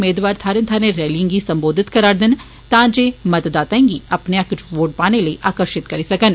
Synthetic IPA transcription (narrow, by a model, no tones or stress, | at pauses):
meːd̪ʋaːɾt̪ʰaːɾɪ̃nt̪ʰaːnẽɾɛːlə̃ŋɡisɐ̃mboːd̪ʱɪt̪kɐɾaːɾd̪ɪn | t̪ãːd͡ʒeːmɐt̪d̪aːt̪aẽːŋɡiɐpneakʊt͡ʃʰʋoːɖ̚paːneləiʔaːkəɾʃɪt̪kɐɾisɐkən